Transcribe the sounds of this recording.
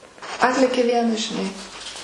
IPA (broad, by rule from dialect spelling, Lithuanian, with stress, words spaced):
ˈɑːtʲlʲeːkʲeː ˈʋʲiɛnɐs ʒʲɪˈnɐɪ